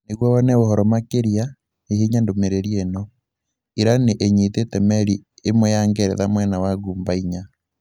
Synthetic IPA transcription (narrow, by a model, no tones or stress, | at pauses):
neɣwɔβɔnɛohɔɾɔmakeɾja | eɦiɲandomeɾeɾienɔ | iɾaneʔeɲitetɛmɛɾiemojaŋɡɛɾɛ̰ðamwɛnawaɣuːmbaiɲa